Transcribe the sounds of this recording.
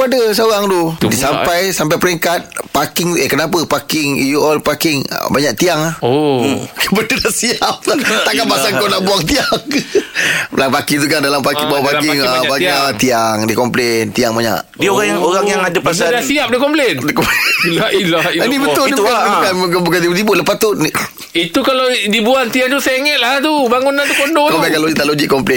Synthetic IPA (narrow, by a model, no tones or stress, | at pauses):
adəs̬oɣaŋdodisampajsampajpəɾɛŋkat̪̚pakɪŋekənap̬əpakɪŋjuɔlpakɪŋ̰baɲaʔt̪iaŋahokbədədaʔsiap̚t̪akanpasankonaʔbuaŋt̪iaŋ | lapakit̪ukandalampakiŋbawpaɪŋabakat̪iaŋdikɔmplent̪iaŋmaɲa̰ʔdioɣajaŋoɣaŋjaŋadaasadasiap̚dəkɔmplendəkɔmpilailainibəb̪ʊlniukaukankbukandidibʊləpat̪ʊt̪ni | it̪ukaladibuant̪iaŋt̪useiŋɛt̪̚lat̪ubaŋunant̪ukondookakalonit̪aʔlod͡ʒiʔkɔmplen